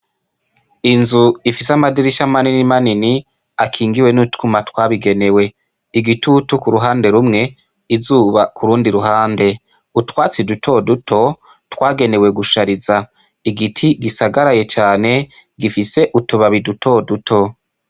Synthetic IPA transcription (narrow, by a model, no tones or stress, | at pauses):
inzuifisamadiɾiʃamaninimanini | akʰiːŋɡiwe̞nutkumatwaːβiɡe̞ne̞we̞ | iɡitutukuɾuɦaːnde̞ɾumŋe̞ | izuːβakʰuɾuːndiɾuɦaːnde̞ | utwaːt͡sidutʰo̞dutʰo̞ | twaːɡe̞ne̞we̞ɡuʃaɾiza | iɡitʰiɡisaɡaɾaje̞t͡ʃaːne̞ | ɡifise̞ʔutuβaβidutʰo̞dutʰo̞